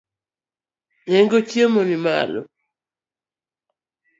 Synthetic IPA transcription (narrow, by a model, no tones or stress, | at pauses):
ɲɛŋɡot͡ʃjemonima̰lɔ̰